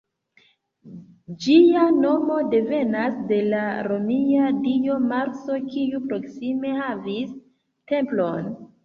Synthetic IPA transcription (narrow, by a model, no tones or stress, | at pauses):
d͡ʒiano̞mo̞de̞ve̞nasde̞laɾomiadio̞maɾso̞kijupɾo̞ksime̞havis | te̞mplo̞n